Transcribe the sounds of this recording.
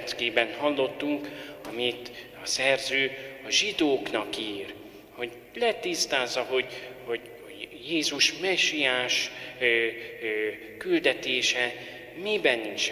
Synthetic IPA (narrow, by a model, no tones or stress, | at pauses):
t̪ɡeːbɛnhɒlːo̞t̪ːuŋkɒmit̪ɒsɛrzøːɒʒid̪oːknɒkiːr | ho̞ɟ | lɛt̪ist̪aːzːɒɦo̞ɟhoɟ | jeːzuʃmɛʃːijaːʃ | kyld̪ɛt̪eːʃɛ | mibɛnːint͡ʃ